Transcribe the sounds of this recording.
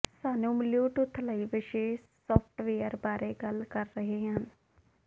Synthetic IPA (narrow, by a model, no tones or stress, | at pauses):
saːnũːmɪljoːʈʊt̪ʰːləiːʋɪʃeː | sɔːpʰʈʋeːəɾbaːɾeːɡəlkəɾːəɦeːɦən